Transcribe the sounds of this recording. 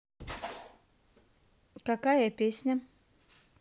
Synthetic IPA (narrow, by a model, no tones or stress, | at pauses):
kɐkajəpʲesʲnʲə